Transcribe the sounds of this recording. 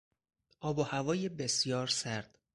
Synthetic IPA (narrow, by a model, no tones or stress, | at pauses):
ʔɒːbohævɒːjebe̞sjɒːɾsæɾd̪̥